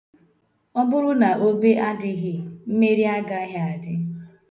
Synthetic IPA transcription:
ɔ˦bʊ˦ɾʊ˦na˨ʔo˦be˦ʔa˦dɪ˦ɣɪ˦m̩˦me˦ɾi˦a˦ɡa˦ɦa˦a˨dɪ˦

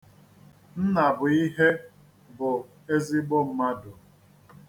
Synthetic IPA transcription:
n̩˦na˨bʊ˨i˦ɦe˦ | bʊ˨ | e˦zi˦ɡ͡bo˦m̩˦ma˦dʊ˨

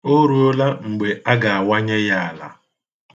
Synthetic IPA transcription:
o˦ɾu˦o˦la˦ŋ͡m̩˨ɡ͡be˨ʔa˦ɡa˨a˨wa˦ɲe˦ja˦a˨la̰˨

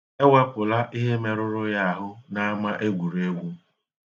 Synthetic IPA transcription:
e˦we˦pʊ˨la˦ʔi˦ɦe˦me˨ɾʊ˦ɾʊ˦ja˦˨ɦʊ˦na˦a˦ma˦ʔe˦ɡʷu˨ɾe˦ɡʷu˦

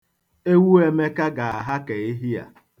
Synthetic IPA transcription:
e˦wu˦e˨me˦ka˦ɡa˨a˨ɦa˦ke˨i˦ɦi˦ja̰˨

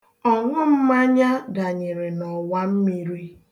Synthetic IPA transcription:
ɔ˨ŋʊ˦m̩˦ma˦ɲa˦da˨ɲɪ˨ɾɪ˨nɔ˨wa˦m̩˦mi˦ɾi˦

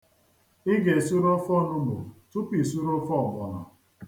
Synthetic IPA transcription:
i˦ɡe˨su˦ɾo˦fɔ˦˨nu˦mṵ˨tu˦pi˨su˦ɾo˦fɔ˦˨m̩˨bɔ˨nɔ̰˨

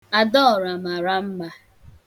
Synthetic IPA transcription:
a˨dɔ˦ɔ˨ɾa˨ma˨ɾa˦m̩˦ma˦

